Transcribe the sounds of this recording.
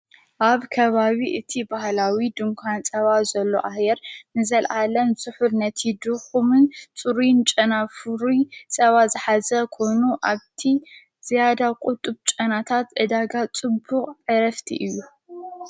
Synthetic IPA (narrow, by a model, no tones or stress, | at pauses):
ʔaβkʰɐβaβiʔɨt̪ʰibahlawid̪ɨŋkʷʰant͡sʼɐβazɐlːoʔahjɛɾnɨzɐlʔalɐnzɨħuɾnɐt̪ʰid̪ɨxumɨnt͡sʼuɾint͡ʃʼɐnafuɾisʼɐβazɨħazɐkʰo̞jnuʔaβt̪ʰi | z̥ijad̪akʼʊt̪ʼːɨβt͡ʃʼɐnat̪ʰat̪ʔɨd̪aɡat͡sʼɨbːuχʼʕɨɾɐft̪ʰḭʔɨjːu